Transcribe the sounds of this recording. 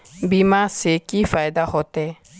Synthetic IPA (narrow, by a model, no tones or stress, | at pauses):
bimasekifaːjd̪aɦot̪ɛː